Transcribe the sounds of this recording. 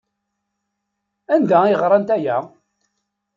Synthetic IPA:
ænd̪æiʁɾˤɑnt̪æjæ

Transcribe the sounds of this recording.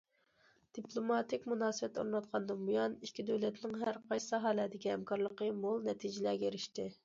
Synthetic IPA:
d̪̥iplˠomɑt̪ɪkʲmunɑːsəbɛt̪ʰːo̰ɾnɑt̪̚qʰɑnd̪ɨnbujɑnikʲʰːid̪ølɛt̪nɪŋɦæɾqʰɑjsɨ̥sɑɦɑlæd̪ɪkʲihɛmkʰɑɾlˠəqəmolˠnɛt̪ʰid͡ʒɪlæɡʲɛeɾɪʃt̪ɪ

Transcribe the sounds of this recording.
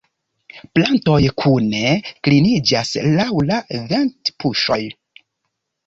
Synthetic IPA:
planto̞jkʰune̞klinid͡ʒaslawlaventpuʃo̞j

